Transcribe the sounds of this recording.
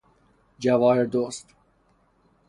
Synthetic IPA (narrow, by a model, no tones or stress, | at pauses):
d͡ʒævɑːheɾd̪oːst̪